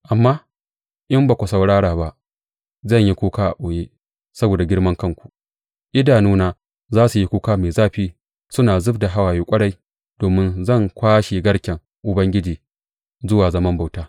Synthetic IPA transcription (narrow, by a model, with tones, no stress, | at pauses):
ʔa˨mːaː˦ | ʔɪ˦mbaː˨kʷu˨sɐ˨wɽaː˦ɽaː˨ba˦ʔ | zɐ˦˨ɲji˦kʷoː˦kaː˦ʔa̰˨ʔʷoː˨jeː˦ | sɐ˦boː˨da˨ɡʲɪ˦ɽmɐ˦ŋkɐ˦˨ŋkʷu̥˨ | ʔɪ˦daː˨nuː˦naː˦ | zaː˦su˨ji˦kʷoː˦kaː˦meː˨zaː˦ɸiː˦ | sʊ˦naː˨zʊ˦bda˨ɦa˦waː˨jiː˦kʷʼɐ˦ɽa˦j | d̥oː˨mɪ˦nzɐ˦˨ŋkʷaː˦ʃeː˨ɡɐ˦ɽkʲɛ˨ŋ | ʔʊ˨bɐ˦ŋɡʲɪ˦d͡ʒiː˨ | zʊ˦waː˨zɐ˦mɐ˦mba˨wtaː˦